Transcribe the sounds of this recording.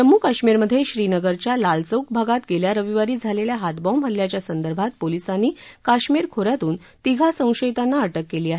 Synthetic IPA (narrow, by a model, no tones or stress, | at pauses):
əmːuːkaɕmiɾməd̪ʱːjeɕɾinəɡəɾt͡ɕjalalt͡səwk̚bʱaɡat̪ɡeljaɾəʋiʋaɾiːd͡zʱaleljaɦat̪bɔ̃mbʱəlːjat͡ɕjasənd̪əɾbʱat̪̚polisanːiːkaɕmiɾkʰoɾjat̪uːn | t̪iɡʱasə̃w̃ɕəjt̪anːaəʈəkːeliːaɦe